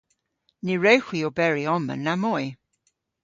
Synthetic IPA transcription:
niɹɛwxwiobɛɹiɔmə̰nːamɔj

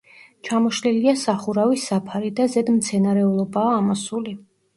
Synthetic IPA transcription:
t͡ʃʰamɔʃliliasaχuɾavisːapʰaɾid̪azɛd̪mt̪sʰɛnaɾɛulˠɔbaːmɔsuli

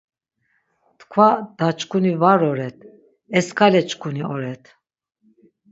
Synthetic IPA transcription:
t̪kʰvad̪̥at͡ʃkʰʼunivaɾɔɾɛt̪̚ʰ | ɛskʰalɛt͡ʃkʰʼuniɔɾɛt̪ʰ

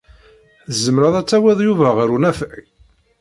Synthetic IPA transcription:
zəmɾɑðˤæt͡sːæwæðˤjuvæʁəɾunæfʕi

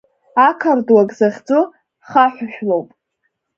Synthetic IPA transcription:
akʰardwaɡʼzaχʲd͡zu | χaħʷᶣaʃᶣlowpʼ

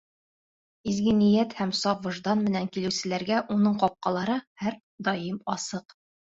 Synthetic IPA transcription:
izɡɘ̆nĭjæt̪hæmsɒpvŏʒd̪ɑnmɘ̆næŋkilɘ̆wsɘ̆læɾɡæʔunɤɴqɒp̚qɑlˠɑɾɤhæɾ | d̪ɒjɤmɒsɤq

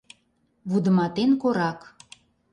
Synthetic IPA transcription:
βud̪ə̆mɑt̪enkoɾɑk

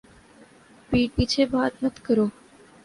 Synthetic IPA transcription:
piːʈ̚pit͡ʃʰebaːt̪nət̪ʰkəɾoː

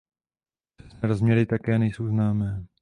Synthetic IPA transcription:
ɛsnɛːɾozmɲɛɾɪt̪akɛːnɛjso̞wznaːmɛː

